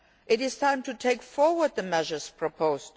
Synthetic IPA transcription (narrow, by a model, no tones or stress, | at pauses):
ʔɪɾɪz̥tʰãɪ̃mtʰutʰeɪkfɔɹwə˞d̪̚ðəmɛʒə˞z̥pʰɹ̥əpʰoʊzt